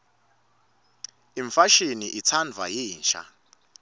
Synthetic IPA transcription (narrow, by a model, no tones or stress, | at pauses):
iɱfaʃiniʔit͡sʰand͡zʱwa̰ɦiːnʃa̰